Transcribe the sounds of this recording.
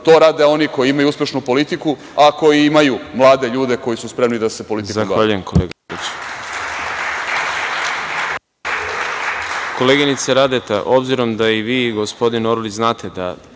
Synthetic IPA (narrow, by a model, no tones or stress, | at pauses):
t̪o̞ːɾaːd̪e̞o̞niko̞jiimajuuspʲje̞ʃnupo̞lit̪iku | ako̞jiimajumlˠaːd̪e̞ʎuːd̪e̞ko̞jisuspɾe̞mnid̪ase̞po̞lit̪izaxʋaːʎujemkoleːɡait͡ɕ | ko̞leːɡinit̪seɾad̪et̪aʔo̞bziɾo̞md̪aiʋiːɡo̞spo̞d̪inoɾliznaːt̪ʰe̞d̪a̰